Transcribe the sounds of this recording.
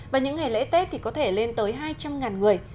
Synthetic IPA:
vaː˨˩ɲɨ̰˧˥ŋe˨˩lḛ˧˥t̪ɛ˦˥t̚t̪ʰi˨˩kɔ˨˦t̪ʰe˧˩le˧nt̪əː˨˦jɦaː˧jt͡ɕa˧mŋaː˨˩nŋɨ˨˩əj

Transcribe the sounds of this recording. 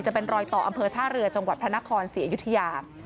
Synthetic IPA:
t͡ɕa˨˩pe˧nɾɔː˧jt̪ɔː˨˩ʔa˧mpʰɤː˧t̪ʰaː˥˩ɾɯ˧ɐt͡ɕa˧ŋwa˨˩t̪̚pʰɾa˦˥na˦˥kʰɔː˧nsiː˩˦a˧ju˦˥t̪ʰːa˧jaː˧

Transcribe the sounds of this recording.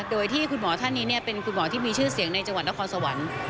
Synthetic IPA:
doː˧jt̪ʰiː˥˩kʰu˧nmɔː˩˦t̪ʰa˥˩nːiː˦˥ni˥˩ɐpe˧nkʰu˧nmɔː˩˦t̪ʰiː˥˩miː˧t͡ɕʰɯː˥˩si˨˩˦əŋna˧jt͡ɕa˧ŋwa˨˩na˥kʰɔː˧nsa˧wa˩˦n

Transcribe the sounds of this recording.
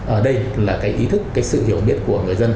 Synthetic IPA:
ʔəː˧˩ɗə˧jlaː˨˩kaː˨˦jʔi˨˦t̪ʰɨ˦˥kːaː˨˦jsɨ̰˧˨hi˧˩əwɓi˦˥ət̚ku˧˩əŋɨ˨˩əjzə˧n

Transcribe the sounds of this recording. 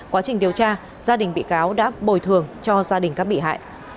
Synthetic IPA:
kwaː˨˦t͡ɕï˨˩ŋ̟ɗi˨˩əwt͡ɕaː˧ | zaː˧ɗï˨˩ŋ̟ɓḭ˧˨kaː˨˦wɗa̰ː˧˥ɓo˨˩jt̪ʰɨ˨˩əŋt͡ɕɔ˧zaː˧ɗï˨˩ŋ̟ka˦˥k̚ɓḭ˧˨ɦa̰ː˧˨jʔ

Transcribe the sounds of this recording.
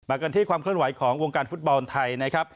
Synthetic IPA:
maː˧˩ka˧nt̪ʰiː˥˩kwaː˧mkʰɯ˥˩ənwa˨˩˦jkʰɔː˩˦ŋwo˧ŋkaː˧nfu˦˥t̪̚bɔ˧nt̪ʰa˧jna˦˥kʰɾa˦˥p̚

